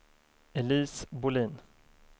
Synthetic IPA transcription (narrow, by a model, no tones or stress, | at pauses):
ɛliːsbʊliːn